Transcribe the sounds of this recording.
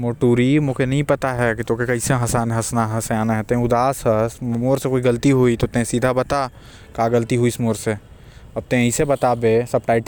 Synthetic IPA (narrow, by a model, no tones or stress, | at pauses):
moːʈuːɾimõkʰenɐɦĩpɐt̪aɦɛkit̪oːkekɐiseɦɐsaːnɦɐsnaɦɛseaːnaɦɛt̪ẽʊd̪aːsɦɛsmoːɾsekoːiɡɐlt̪iɦuit̪ot̪ẽsiːd̪ʱabɐt̪a | kaːɡɐlt̪iɦuismoːɾse | ɐb̚t̪ẽisebɐt̪abesɐb̚ʈaːɪʈ